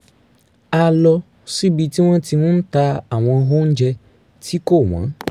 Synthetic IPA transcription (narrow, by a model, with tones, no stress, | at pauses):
a˧lɔ˧ | si˦bi˧ti˦w̃ɔ̃˦ti˧nũ˦ta˧a˨w̃ɔ̃˧ɦo˦n̩˦d͡ʒɛ˧ | tʰi˦ko˦˨w̃ã̰˨˦